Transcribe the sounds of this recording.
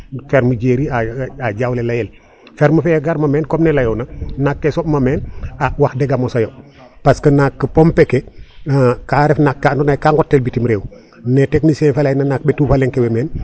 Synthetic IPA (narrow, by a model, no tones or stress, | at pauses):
feɾməɟeɾiaaɟawlelajel | fɛɾməfɛɡaɾmameːnkɔmnelajownanakːesɔpmameːnawahdɛɡamosajo | paskənakːəpompeke | kaɾɛfnakːandonajkaŋɡɔtːelbitimɾeːw | neteknisenfalajnanak̚betuːfalɛŋkewemeːn